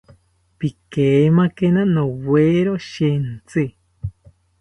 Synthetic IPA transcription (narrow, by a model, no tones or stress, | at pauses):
pikemakenanoweɾoʃent͡sɨ